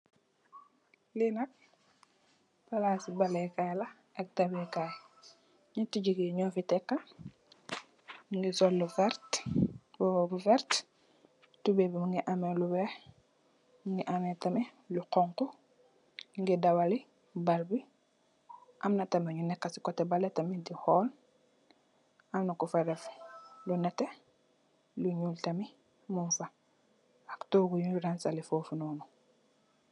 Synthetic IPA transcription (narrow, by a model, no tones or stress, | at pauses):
linɐk̚ | palasibalɛkalɐ | ɐk̚tɐbɛkaj | ɲutiɟiɡiɲɔːfitɛkːɐ | ŋɡisɔlːuvɛɾt | bɔbuvɛɾt | tubɛbimuŋɡiʔamɛlubɾɛ | ŋɡiʔamɛtɐmɛ | luqɔŋku | ŋɡɛdawali | balbi | ʔɐmnɐtɐmɛɲunɛkːɐsi̥kɔtɛbalɛtɐmidihɔːl | amnakufaɾɛflunɛtɛ | luɲultɐmi | muɱfa | aktɔːɡujuuɾansalifɔːfunɔːnu